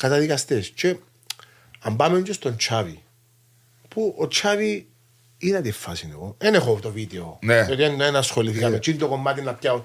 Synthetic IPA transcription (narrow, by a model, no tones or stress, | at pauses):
kɐt̪ɐðikɐst̪est͡ʃe | ɐmbameɲt͡ʃest̪ont͡ʃʰavi | puot͡ʃʰavi | iðɐt̪ifːɐsineɣoenexot̪ovid̪eoneot̪ienenasxoliθikat̪ot͡ʃinit̪okomːat̪inːɐp̚cao